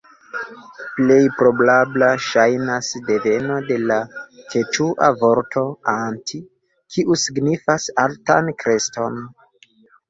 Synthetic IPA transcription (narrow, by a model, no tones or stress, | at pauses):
ple̞jpɾo̞blablaʃajnasde̞ve̞no̞de̞lat͡ʃe̞t͡ʃuʔa̰vo̞ɾtʰo̞antʰi | kʰiʔusiɡnifasaltankɾe̞sto̞n